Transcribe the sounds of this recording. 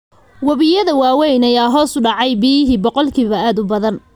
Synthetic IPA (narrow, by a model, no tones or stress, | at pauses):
wɐβɪjɐðɐwɑːwɛjnɐjaːɦɔːsʊɖɑʕɑjbɪjɪɦiːbɔqɔlkʰiːβɐaːd̪ʊbɐðɐn